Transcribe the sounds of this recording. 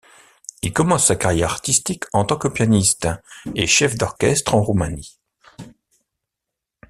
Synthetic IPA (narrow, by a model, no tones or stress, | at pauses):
ilkɔmɑ̃sːakaʁjɛʁaʁt̪ist̪ikʰɑ̃t̪ɑ̃kəpjanist̪eʃɛfd̪ɔʁkʲɛst̪χɑ̃ʁumani